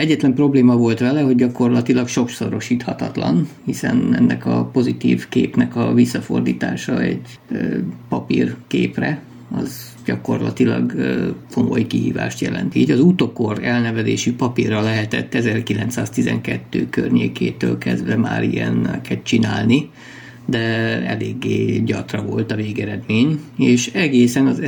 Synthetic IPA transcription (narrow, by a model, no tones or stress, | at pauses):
ɛɟːɛt̪lɛmpro̞bleːmɒvo̞lt̪ʋɛlɛɦoɟɟɒko̞rlɒt̪ilɒkʃo̞ksoɾo̞ʃiːt̪hɒt̪ɒt̪lɒnhisɛnɛnːɛkɒpo̞zit̪iːvkeːpnɛkɒvisːɒfo̞rd̪iːt̪aːʃɒɛɟ | pɒpirkeːprɛ | ɒz | ɟɒko̞rlɒt̪ilɒɡko̞mo̞jkiɦḭːva̰ːʃt̪jɛlɛ̰nt̪iiɟɒzut̪oko̞rɛlnɛvɛzeːʃipɒpirːɒlɛɦɛt̪ɛt̪ːɛzɛrkilɛnt̪saːst̪izɛ̰ŋkɛt̪ːøːkørɲeːkeːt̪øːlkɛzd̪ʋɛma̰ːɾiɛnkɛt̪t͡ʃinaːlni | d̪ɛɛ̰leːɡːeːɟɒt̪rɒvo̞lt̪ɒveːɡɛɾɛd̪meːɲeːʃɛɡeːsɛnɒz